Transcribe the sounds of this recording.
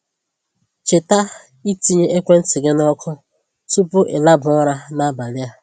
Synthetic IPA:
t͡ʃe˨ta˦ | i˦ti˦ɲe˦ʔe˦kʷe˦n̩˦tɪ˨ɡɪ˦nɔ˦kʰʊ˦ | tu˦pʊ˦ʔɪ˨la˦bʊ˨ɔ˦ɾa˦na˦ba˨lɪ˦ja˦

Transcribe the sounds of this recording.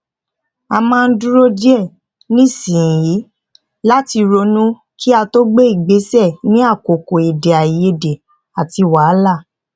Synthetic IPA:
a˧mãː˦˧n̩˦du˦ɾo˦di˦ɛ˦˨ | nĩ˦˨sĩ˨ji˨˦ | la˦ti˧ɾo˧nũ˦ | kʰi˦a˧to˦ɡ͡be˦i˦˨ɡ͡be˨˦sɛ˦˨nĩ˨˦a˦˨ko˨ko˨e˨de˨a˨je˧de˨ | a˨ti˧wa˨˦la˦˨

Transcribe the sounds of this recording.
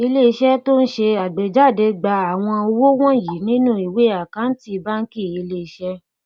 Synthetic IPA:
i˧le˦i˧ʃɛ˦to˦n̩˦ʃe˧a˨ɡ͡be˨d͡ʒa˦˨de˧ɡ͡ba˧a˨w̃ɔ̃˧o˧wo˦w̃ɔ̃˦˨ji˨nĩ˦nũ˦˨i˨we˨˦a˦˨kã˨˦n̩˦ti˦˧˦ba˦n̩˦ki˦˨i˧le˦i˧ʃɛ˦

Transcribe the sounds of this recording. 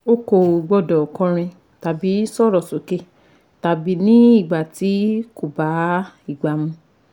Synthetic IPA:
o˦ko˦˨ɡ͡bɔ˦˨dɔ˨kɔ̃˧ɾ̃ĩ˧ | ta˨bi˨˦sɔ˦˨ɾɔ˨so˨˦ke˦˨ | ta˨bi˨˦nĩ˦i˦˨ɡ͡ba˨ti˨˦ko˨ba˨˦i˦˨ɡ͡ba˨mũ˧

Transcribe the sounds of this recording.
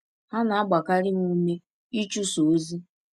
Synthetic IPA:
ha˦na˨a˦ɡ͡ba˨ka˦ɾɪ˦ŋu˦me˦ | i˦t͡ʃu˦so˨˦zi˦

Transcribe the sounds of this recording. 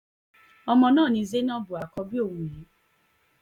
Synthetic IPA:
ɔ˧mɔ̃˧nãː˦˨nĩ˧ze˦nã˦bu˨a˨kɔ˧bi˦o˦˨wũ˨je˨˦

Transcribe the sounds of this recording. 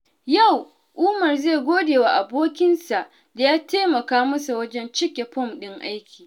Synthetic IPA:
ja˦˨w | ʔʊː˦mɐ˨rze˦˨ɡʷoː˦deː˨wa˦ʔa˨boː˦kʲɪ˦nsa˨ʔ | da˨jaː˦teː˦mɐ˨kaː˦mɐ˦sa˨wɐ˦d͡ʒɛ˦nt͡ʃɪ˦kʲe˨ɸɔ˦mɗɪ˦ŋʔa˦jkʲiː˨

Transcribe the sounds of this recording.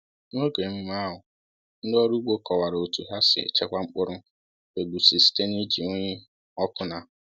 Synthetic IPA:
no˦ɡe˨m̩˦m˦a˦ɦʊ˨ | n̩˦dɔ˦ɾu˦ɡ͡bo˦kɔ˨wa˨ɾo˨tu˨ɦa˦sɪ̰˨ḛ˨t͡ʃe˦kʷa˦ŋ͡m̩˦k͡pʊ˦ɾʊ˦ | e˨ɡ͡bu˨si˨si̥˦te˦ni˦d͡ʒi˨o˦ɲe˦ | ɔ˦kʊ˦na˨

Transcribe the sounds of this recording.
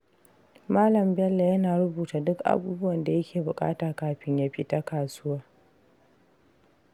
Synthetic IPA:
maː˦lɐ˨mbɛ˦lːa˨jɐ˦naː˨ɽʊ˦buː˨taː˨dʊ˦kʔa̰˨buː˦bʊ˦wɐ˨nda˨jɐ˦kʲeː˨bʊ˨kʼa̰ː˦taː˨kaː˨ɸɪ˦ɲja˦ɸɪ˦ta˦kaː˨sʊ˦waː˦

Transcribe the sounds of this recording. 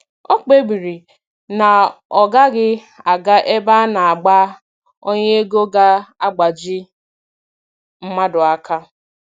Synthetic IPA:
o˦k͡pe˦bi˨ɾi˨ | na˨ɔ˨ɡa˦ɡɪ˦ | a˨ɡa˦ʔe˦ba˦na˨a˨ɡ͡ba˦ | o˦ɲe˦e˦ɡo˦ɡa˦a˦ɡ͡ba˨d͡ʒi˦ | m̩˦ma˦dʊ˨a˦ka˦

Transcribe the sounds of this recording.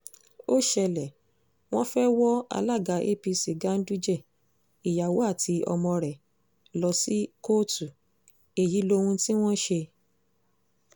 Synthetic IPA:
o˦ʃɛ˧lɛ˨ | w̃ɔ̃˦fɛ˦wɔ˦a̰˧la˦˨ɡa˨˦ʔḛ˦pi˧si˨ɡã˨˦n̩˦du˦d͡ʒɛ˦˨ | i˨ja˨wo˨˦a˦˨tʰi˧ɔ̰˧mɔ̃˧ɾɛ˨ | lɔ˧si˦ko˦tu˨ | e˨ji˨˦lo˧hũ˧ti˦w̃ɔ̃˦ʃe˧

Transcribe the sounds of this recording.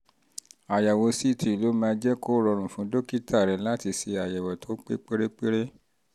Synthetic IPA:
a˨ja˨wɔ˧si˦˨tʰi˨i˨lo˨˦mãː˧d͡ʒɛ˦ko˦ɾɔ˧ɾ̃ũ˨fũ˨˦do˦ki˦tʰa˦˨ɾɛ˨˦la˦ti˧se˧a˨ja˨wɔ˨to˨˦k͡pḛ˦k͡pe˦ɾe˦k͡pe˦ɾe˦

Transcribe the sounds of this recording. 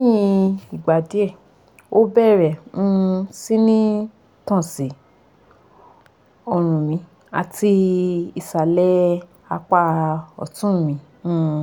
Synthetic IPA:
jĩ˧i˨ɡ͡ba˨di˨˦ɛ˦˨ | o˦bɛ˦˨ɾɛ˨ũ˦si˦nĩ˦ | tɔ̃˦˨si˨ | ɔ˧ɾ̃ũ˨mĩ˧˦ | a̰˨ti˧i˨sa˨lɛ˦ | a˧k͡pa˧ɔ̰˨tũ˦˨mĩ˨˧˦

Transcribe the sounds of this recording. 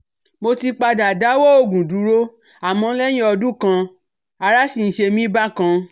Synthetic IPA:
mo˧ti˧k͡pa˧da˨da˨˦wo˦o˨ɡũ˨du˨˦ɾo˦ | a˨mɔ̃˧˦lɛ̃˦ĩ˦ɔ˧dũ˦˨kã˧ | a˧ɾa˦ʃi˨n̩˨ʃe˧mĩ˦ba˦kã˧

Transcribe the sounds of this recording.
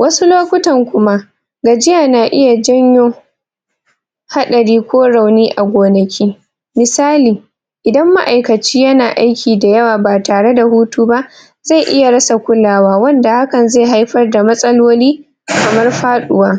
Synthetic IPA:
wɐ˦su˦loː˦kʷʊ˦tɐ˨ŋkʷʊ˦ma˦ʔ | ɡa˨d͡ʒɪ˦jaː˨naː˨ʔɪ˦ja˨d͡ʒɐ˦ɲjoː˦ | ha˦ɗɐ˨ɽiː˦kʷoː˦ɽa˨wniː˦ʔa˨ɡʷoː˨nɐ˨kʲʰiː˦ | mɪ˨saː˦liː˨ | ʔɪ˨dɐ˦mːa˦ʔa˨jkɐ˨t͡ʃiː˦jɐ˦naː˨ʔa˦jkʲiː˨da˨jɐ˦waː˨baː˨taː˨ɽe˦da˨huː˦tuː˦ba˦ʔ | za˦˨jʔɪ˦ja˨ɽɐ˦sa˨kʷʊ˦laː˨waː˦wɐ˦nda˨ha˦kɐ˨nza˦˨ɦa˦jɸɐ˦rda˨mɐ˦sʼɐ˦loː˦liː˦˨ | kɐ˨mɐ˦rɸaː˦ɗʊ˨waː˦

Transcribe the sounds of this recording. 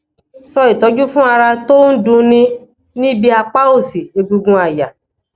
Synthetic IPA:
sɔ˧i˨tɔ˨˦d͡ʒu˦fũ˦a˧ɾa˧to˦n̩˦dũ˧nĩ˧ | nĩ˦bi˧a˧k͡pa˦o˦˨si˨e˨ɡũ˧ɡũ˧a˨ja˨

